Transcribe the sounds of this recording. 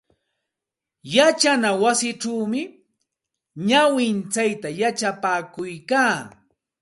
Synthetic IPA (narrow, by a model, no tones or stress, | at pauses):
jat͡ʃanawasɪʈ͡ʂaːmɪ | ɲawɪnt͡sajt̪ajat͡ʃapaːkʊjkaː